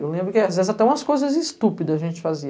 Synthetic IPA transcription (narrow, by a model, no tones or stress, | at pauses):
ewlẽbɾʊkɪazvezat̪ɛũmɐskojzɐzɪst̪upid̪ɐɐʒẽt͡ʃɪ̥fazi